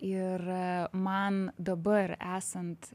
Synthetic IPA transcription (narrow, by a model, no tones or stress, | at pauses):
ɪɾmɐnd̪ɐbɐɾæːsɐnt̪